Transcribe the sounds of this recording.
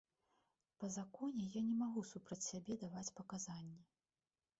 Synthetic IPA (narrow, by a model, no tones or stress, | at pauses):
pɐzakɔnʲɛjanʲɛmaɣusupɾɐt͡sʲsʲabʲɛd̪avat͡sʲpɐkazanʲːɛ